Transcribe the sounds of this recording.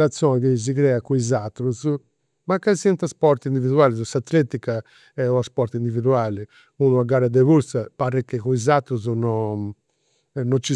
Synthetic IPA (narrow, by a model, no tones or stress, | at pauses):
ɾat̪sːjɔːnɛkiz̬ikɾɛːakuizat̪ːɾuz | makːasɛnt̪aspɔɾt̪ind̪iviðuaːlizɔsat̪ːlɛt̪ika | ɛuaspɔɾt̪ind̪iviðuaːli | unuaɡaːɾad̪ɛvuɾsapaɾɛkːekuizat̪ːɾuznɔ | nɔt͡ʃːi